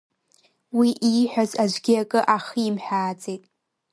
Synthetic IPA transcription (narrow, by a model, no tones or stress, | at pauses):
wiʔiħʷᶣazaʒʷɡʲiakʼɨʔaχiimħʷᶣaːt͡sʼejtʼ